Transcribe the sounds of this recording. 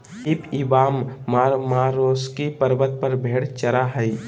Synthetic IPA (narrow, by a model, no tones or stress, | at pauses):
ɪpɪbaːmːaːɾmaːɾoːskipəɾbət̪̚pəɾbʱeːɽt͡ʃəɾaɦəi